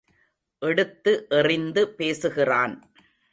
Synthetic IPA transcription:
ʔɛɽɯt̪ːɯʔɛrɪnd̪ɯpeːsɯɣɪraːn

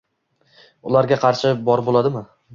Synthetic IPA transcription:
ʊlaɾɡʲaqʰɑɾʃɪbɒɾbolˠad̪ɪmɪ

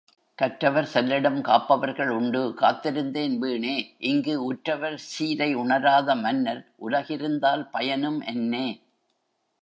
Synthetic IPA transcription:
kɐʈɾɐʋɐɾsɛlːɪɽɐmkaːpːɐʋɐɾɣɐɭʊɳɖɯka̰ːt̪ːɪɾɯnd̪eːnʋiːɳeːʔɪŋɡɯʊʈɾɐʋɐɾsiːɾɐɪʊɳɐɾaːðɐmɐnːɐɾʔʊlɐɣɪɾɯnd̪aːlpɐjɐnɯmʔɛ̰nːeː

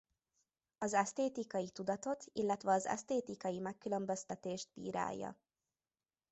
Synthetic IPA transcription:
ɒzɛst̪eːt̪ikɒjit̪ud̪ɒt̪o̞t̪ʰilːɛt̪ʋɛɒzɛ̰st̪eːt̪ikɒjimɛkːylø̞mbø̞st̪ɛt̪eːʃd̪̚bḭːɾa̰ːjːɒ̰

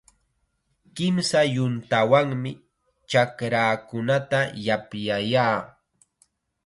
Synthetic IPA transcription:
kɪmsajʊnt̪awaŋmɪ | t͡ʃakɾaːkʊnat̪ajapjajaː

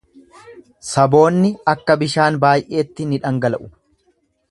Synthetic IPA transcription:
sɐbo̞ːnːɪɐkːɐbɪʃaːnbaːjʔe̞ːt̪ːɪnɪᶑɐŋɡɐlɐʔʊ̥

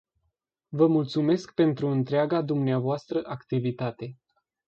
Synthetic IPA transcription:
vəmult̪sume̞skpe̞nt̪ɾuɨnt̪ɾeaɡad̪umneavoast̪ɾəʔakt̪ivit̪at̪e̞

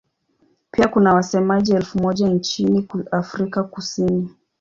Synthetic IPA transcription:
piakunawasɛmaʄiɛlfumɔʄant͡ʃiniafɾikakusini

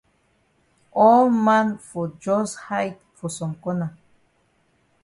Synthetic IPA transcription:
omanfud͡ʒoshajt̪fusomkona

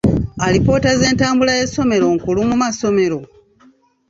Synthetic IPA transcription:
alipo̞ːtaze̞ːntaːmbulaje̞so̞me̞ɾo̞ŋkulumumaso̞me̞ɾo̞

